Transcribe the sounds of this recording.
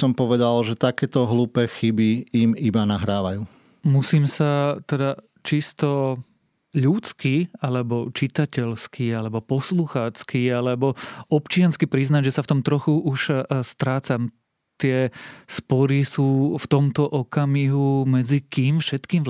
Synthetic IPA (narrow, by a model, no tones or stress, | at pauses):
sɔmpɔʋɛd̪alʒɛt̪akɛːt̪ɔɦluːpɛːxibiimibanaɦɾaːʋajuː | musiːmsat̪ɛd̪a | t͡ʃist̪ɔ | ʎut͡skialɛbɔt͡ʃit̪acɛʎskialɛbɔpɔsluxaːt͡skialɛbɔɔpt͡ʃɪanskipɾiznaɟʒɛsaft̪ɔmt̪ɾɔxuuʃst̪ɾaːt͡sam | t̪ɪɛspɔɾisuːft̪ɔmt̪ɔʔɔkamiɦumɛd͡zikiːmfʃɛt̪kiːm